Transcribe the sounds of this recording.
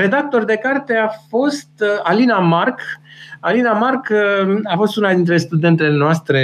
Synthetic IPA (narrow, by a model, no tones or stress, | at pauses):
ɾe̞d̪ak̚t̪o̞rd̪e̞kart̪e̞afo̞st̪alinamarkalinamarkafo̞st̪unad̪int̪ɾe̞st̪ud̪e̞nt̪elenoast̪ɾe̞